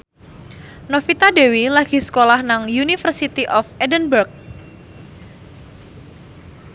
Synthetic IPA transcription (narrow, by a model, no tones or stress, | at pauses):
nofit̪adewilaɡ̥i̤sə̥kolahnaŋjunifərsit̪iʔɔfɛdənbərk̚